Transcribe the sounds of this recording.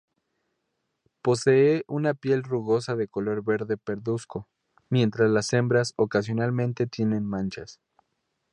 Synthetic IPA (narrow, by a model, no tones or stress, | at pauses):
po̞seeʔunapje̞lruɣo̞s̬aðe̞ko̞lo̞ɾβe̞ɾðe̞pe̞ɾðusko̞ | mje̞nt̪ɾazlase̞mbɾaso̞kas̬jo̞nalmẽnt̪e̞t̪je̞nẽ̞nmãnt͡ʃas